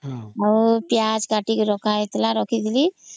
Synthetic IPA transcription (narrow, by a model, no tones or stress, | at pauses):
apjad͡zkaʈikɾɔkʰajt̪laɾɔkʰit̪li